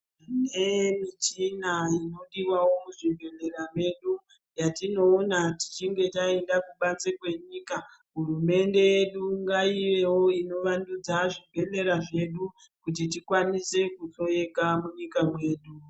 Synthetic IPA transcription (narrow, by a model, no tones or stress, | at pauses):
nemit͡ʃinaino̞ɗiwawo̞muʐibʱe̞le̞ɾame̞ɗu | jatino̞ːnati̥t͡ʃiŋɡe̞taendakuɓat͡sekwe̞ɲiːka | ɦurume̞nde̞jeɗuŋɡaiʋe̞wo̞ino̞ʋandud͡zaʐibʱe̞le̞ɾaʐe̞ɗu | kut̬it̬ikwanise̞kut͡so̞e̞kamuɲikamwe̞ːɗu